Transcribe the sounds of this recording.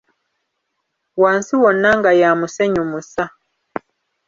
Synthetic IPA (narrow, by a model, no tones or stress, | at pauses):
waːnsiwɔnaŋɡajamuseɲumusa